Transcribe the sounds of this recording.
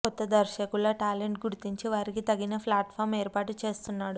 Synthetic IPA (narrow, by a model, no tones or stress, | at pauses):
kɔt̪ːɐd̪ɐɾʃɐkuloːʈaːleɳʈɡuɾut̪iɲt͡ʃiʋaːɾikit̪ɐɡinɐpʰlaːʈpʰaːɾmeːɾpaːʈut͡ʃe̞ːst̪unːaːɽu